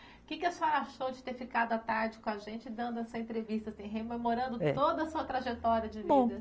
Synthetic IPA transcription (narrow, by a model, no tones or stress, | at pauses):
kɪkɪesaɾaʃowd͡ʒɪt̪eɾfikad̪ʊat̪aɾd͡ʒɪkõaʒẽnt͡ʃɪd̪ɐ̃nd̪ʊɛsɐẽnt̪ɾevist̪ɐsĩɦememoɾɐ̃nd̪ʊ̰t̪od̪ɐsuɐt̪ɾaʒet̪ɔɾiɐd͡ʒɪvbĩd̪